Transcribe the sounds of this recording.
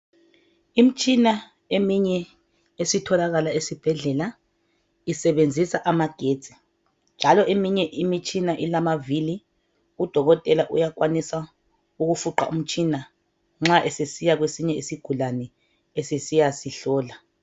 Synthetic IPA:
im̩t͡ʃʼina | emiɲɛ | esitʰɔlaɣalaesib̥ʱɛɮɛla | isɛβend͡zʱisaʔamaɡ̥ʱed̥d͡z̥ʱi̥ | nd͡ʒʱalɔʔemiɲɛʔimit͡ʃʼinaʔilamavili | ud̥ʱɔɣɔtʼɛlaʔujak̬wanisa | uɣufuǃa̰ʔṵm̩t͡ʃʼina | ŋ͡ǁaʔesesijaɣwesiɲɛisiɡ̥ʱulanɛ | esesijasiɬɔːla

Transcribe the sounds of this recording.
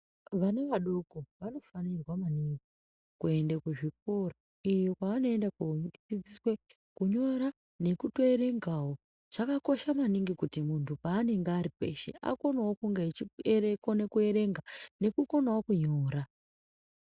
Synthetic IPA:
ʋaneʋaɗokoʋano̞fanirwamaniŋɡi | kue̞ndekuʐik̚ora | ijo̞kwaʋano̞endakud͡zid͡ziswe | kuɲo̞ɾa | ne̞kuto̞eɾe̞ŋɡawo̞ | ʐ̥akako̞ʃamaniŋɡikutimuntʰupaːne̞ŋɡeaɾipe̞̰ʃḛʔa̰ko̞nawokuŋɡet͡ʃirekonekue̞ɾe̞ŋɡane̞kuko̞nawokuɲo̞ːɾa

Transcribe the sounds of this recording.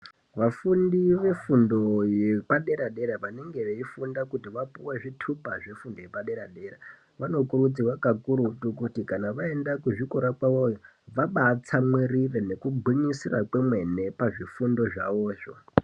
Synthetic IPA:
ʋafundiʋe̞fundo̞je̞paɗe̞ɾaɗe̞ɾaʋane̞ŋɡe̞ʋeifundakutiʋapuweʐitʰupaʐe̞fundo̞jepaɗe̞ɾaɗe̞ra | ʋano̞kuɾud͡ziwakakuɾutukutikanaʋae̞ndakuʐikoɾakwaʋojo | ʋaɓat͡samwirirene̞kubʱiɲisira̰kwemwe̞ne̞paʐifundo̞ʐa̰ʋoːʐo̞̰

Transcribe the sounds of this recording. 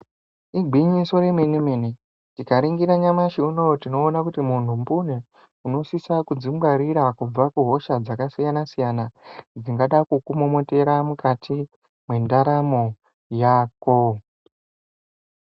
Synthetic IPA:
iɡʱiɲiso̞ɾemwenimene | tikaɾiŋɡiɾaɲamaʃiunootino̞ːnakutimun̤umpune | uno̞sisakud͡zimɡwaɾiɾakub͡vakuɦo̞ʃad͡zakasijanasijanad͡ziŋɡaɗakukumomo̞te̞ɾamukatʰi | mwe̞ndaɾamo̞ | jaːko̞

